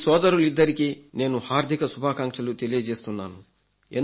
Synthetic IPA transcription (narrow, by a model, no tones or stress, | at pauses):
sɔːd̪ɐɾulid̪ːɐɾikine̞ːnuhaːɾd̪ʱikɐsubʱaːkaːŋkʂɐlut̪elijɐd͡ʒe̞ːst̪unːa̰ːnu | en